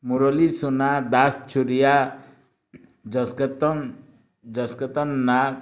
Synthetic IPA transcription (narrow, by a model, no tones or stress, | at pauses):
muɾɔlisunad̪ast͡ʃʰuɾija | d͡ʒɔsket̪ɔn | d͡ʒʌsket̪ɔnːa